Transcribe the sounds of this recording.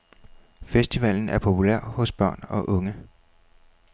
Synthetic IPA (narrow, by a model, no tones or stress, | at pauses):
fesd̥iʋɛln̩æɐpʰo̝pʰulæɐ̰hɔ̽sb̥ɶɐ̰nɒ̽ʔɔ̽ŋə